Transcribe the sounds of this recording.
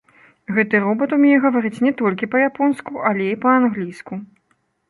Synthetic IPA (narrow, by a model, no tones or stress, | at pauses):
ɣɛt̪ɨɾɔbɐt̪umʲnʲɛɣɐvaɾɨt͡sʲnʲɛt̪ɔlʲkʲipɐjapɔnskuʔalʲɛipɐanɣlʲijsku